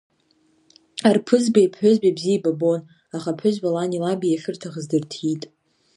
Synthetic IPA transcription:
arpʰɨzbajpʰħʷʊzbabzijababo̞n | aχapʰʊʒbalanilabijaɬɨrtʰaʁəzdɨrtʰitʼ

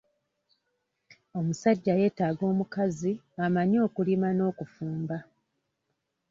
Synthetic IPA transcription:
o̞musaɟːaje̞ːtaɡo̞ːmukazi | amaɲo̞ːkulimano̞ːkufuːmba

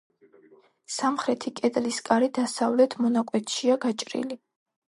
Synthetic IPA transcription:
samχɾɛt̪ʰikʼɛd̪ʼliskʼaɾid̪asavlɛt̪ʰmɔnakʼwɛt̪ʰʃiaɡat͡ʃʼɾḭli

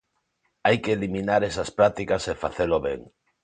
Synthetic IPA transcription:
ajkeːlimĩnaɾesaspɾat̪ikasefaθeloβḛŋ

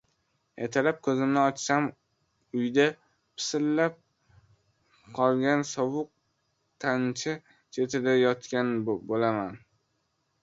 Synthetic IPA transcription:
jet̪ʰalap̚kʰɵzɪmnɪɒt͡ʃsam | ʊjd̪a | pʰɪ̥sɪlːap̚ | qʰɒlˠɡʲansɒwʊq̚ | t̪ʰant͡ʃʰɪ | t͡ʃʰe̞t̪ʰɪd̪ajɒt̪kʲanbolaman

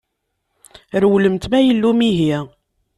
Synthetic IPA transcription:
ɾwləmt̪mæjəlːumiɦi

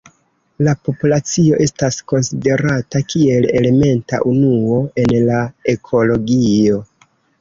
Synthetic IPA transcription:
lapo̞pulat͡sio̞ʔe̞stasko̞nside̞ɾatakie̞le̞le̞me̞nta̰ʔunuo̞e̞nlae̞kʰo̞lo̞ɡio̞

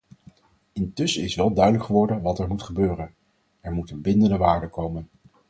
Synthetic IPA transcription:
ɪntɵsəɪsʋɛlˠdœɥdələkχəʋɔɹdənʋɑtɛɹmutχəbøːrən | ɛɹmutənbɪndəndəʋaːɹdəkowmən

